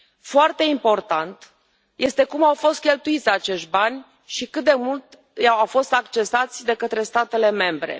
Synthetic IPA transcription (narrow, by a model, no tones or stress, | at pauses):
foart̪e̞impo̞rt̪ant̪ | jʔe̞st̪e̞kumawfo̞st̪̚kʲe̞lt̪uit̪sʲat͡ʃe̞ʃt̪̚ʲbanʲ | ʃikɨt̪̚d̪e̞mult̪ | jawawfo̞st̪akt͡ʃe̞sat̪sʲd̪e̞kət̪ɾe̞st̪at̪e̞le̞me̞mbɾe̞̰